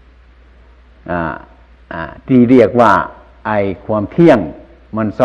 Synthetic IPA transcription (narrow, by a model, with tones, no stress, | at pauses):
ʔa̰ː˧˩ | ʔa˧˩t̪iː˧˩ɾi˧˩ək̚waː˧˩ | ʔa˧˩jkʰwa˧˥˨mt̪ʰi˧˥˨əŋ | ma˧˥˨nsɔ˧